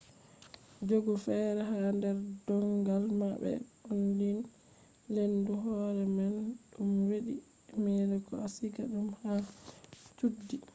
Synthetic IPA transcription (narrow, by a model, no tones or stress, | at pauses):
d͡ʒoɡɔfɛɾɛɦandɛɾdɔŋɡalmabɛ̰ondin | lenduɦɔɾɛmanɗumweɗi | mɛːɾɛkɔ̰asiɡaɗumha | tudːi